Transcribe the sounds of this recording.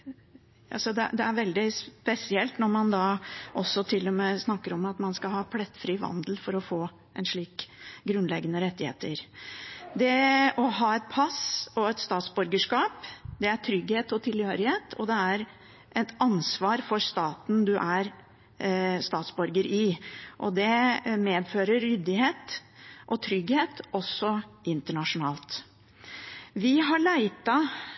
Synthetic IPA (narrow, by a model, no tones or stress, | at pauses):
ɑ̰sɔd̪ɛd̪ɛæɾʋɛld̪ɪspɛsɪɛlt̪nɔɾmɑnd̪ɑʔɔsɔt̪ʰɪlːɔmeːsnɑkːəɾɔmɑt̪mɑnskɑhɑːpʰlɛt̪ːfɾiːʋɑ̰nd̪əl̩fɔɾɔfoː | ʔɛnʂɭiːkɡɾʉnlɛɡənəɾɛt̪ːɪhḛːt̪əɾ | d̪ɛɔɦɑːɛt̪̚pʰɑsɔɛt̪st̪ɑːt̪sbʉɾɡəʂkɑːpd̪ɛæt̪ʰɾʏɡheːt̪ɔt̪ʰɪlhøːɾɪheːt̪ʰɔd̪ɛæɾ | ʔɛt̪ɑnsʋɑːɾfɔɾst̪ɑːt̪n̩d̪ʉʔæɾ | st̪ɑːt̪sbɔɾɡəɾʔɪʔɔ̰d̪ɛmeːd̪føːɾəɾːʏd̪ɪheːt̪ʔɔt̪ʰɾʏɡheːt̪ɔsːɔʔɪnt̪əɳɑʂʊnɑːlt̪ | ʋɪɦɑɭæɪt̪ɑ